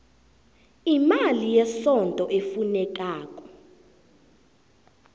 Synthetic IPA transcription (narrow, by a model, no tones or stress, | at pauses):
imalijɛsɔntʼɔʔefunɛk̬aːk̬ʼɔ̥